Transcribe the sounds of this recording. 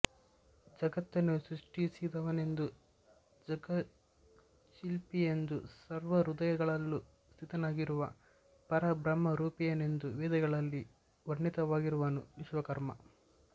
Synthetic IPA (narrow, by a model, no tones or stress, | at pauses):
d͡ʒɐɡɐt̪ːɐnusɾuʂʈisid̪ɐʋɐne̞nd̪u | d͡ʒɐɡɐ | ʃilpijend̪ṵsɐɾʋɐɾud̪ɐjɐɡɐɭɐlːu | st̪ʰit̪ɐnaːɡiɾuʋɐ | pɐɾɐbɾɐmːɐɾuːpijɐne̞nd̪uʋɛːd̪ɐɡɐɭɐlːi | ʋɐɾɳːit̪ɐʋaːɡiɾuʋɐnuʋiʃʋɐkɐɾmɐ̰